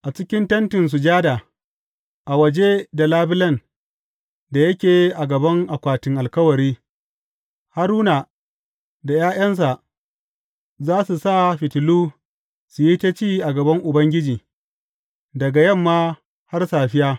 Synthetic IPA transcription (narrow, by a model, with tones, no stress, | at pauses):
ʔa˨t͡ʃɪ˦kʲɪ˦ntɐ˦ntɪ˨ns̬u˨d͡ʒaː˦da˨ | ʔa˨wɐ˨d͡ʒe˦da˨laː˦bɪ˦lɐ˦˨n | da˨jɐ˦kʲeː˨ʔa˨ɡɐ˨bɐ˦ŋʔa˨kʷaː˨tɪ˨ŋʔa˨lkɐ˦wɐ˨ɾiː˦ | ha˦ɾuː˦na˨ | da˨jaː˦j̰ɐ˦ns̬a˨ʔ | zaː˦su˨sa˦ɸɪ˨tɪ˨luː˦ | su˨ji˦ta˦t͡ʃiː˦ʔa˨ɡɐ˨bɐ˦ŋʔʊ˨bɐ˦ŋɡʲɪ˦d͡ʒiː˨ | dɐ˨ɡa˨jɐ˦˨mːaː˦ | ha˦rsaː˨ɸɪ˦jaː˦